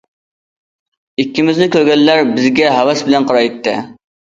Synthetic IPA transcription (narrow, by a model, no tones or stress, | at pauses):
ikʲːimɪznɪkʲøɾɡʲɛlːæɾbɪzɡʲɛɦɛwɛsbɪlɛnqʰɑɾɑjit̪ʰːɪ